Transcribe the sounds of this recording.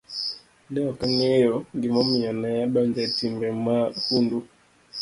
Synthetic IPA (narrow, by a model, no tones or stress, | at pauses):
nɛjɔkaŋɛjɔŋɡimɔmianajaɓaɲd͡ʒatimbɛmahundu